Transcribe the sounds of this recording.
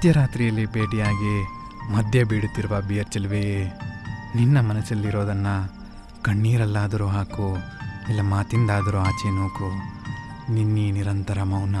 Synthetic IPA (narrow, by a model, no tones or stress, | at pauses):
ɐt̪jɐɾaːt̪ɾijɐlːibeːɖijaːɡe | mɐd̪ʱjɐbiːɽut̪ːiɾuʋɐbijɐɾt͡ʃɐlʋee | ninːɐmɐnɐsɐlːiɾoːd̪ɐnːɐ | kɐɳːiːɾɐlːaːd̪ɐɾuɦaːku | ɛlːɐmaːt̪ind̪aːd̪ɐɾuaːt͡ʃenoːku | ninːiniɾɐnt̪ɐɾɐmɐwnɐ